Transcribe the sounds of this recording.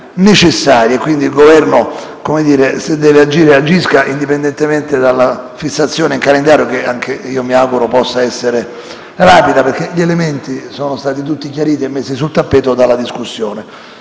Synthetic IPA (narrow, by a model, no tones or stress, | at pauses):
net͡ʃesːaːɾjekwind̪ilɡovɛrno | komed̪iːɾesed̪ːɛːvead͡ʒiːɾead͡ʒːiskaʔind̪ipend̪ɛnt̪ement̪ed̪alːafisːat̪sːjoːneiŋkalend̪aːɾjokeaŋkʰeiːomiawɡuɾopɔsːaɛsːeɾe | raːpid̪aperkeʎielement̪isoːnost̪aːt̪it̪̬ut̪ːik̬jaɾiːt̪iemːesːisult̪apːɛːt̪od̪alːad̪iskusːjoːne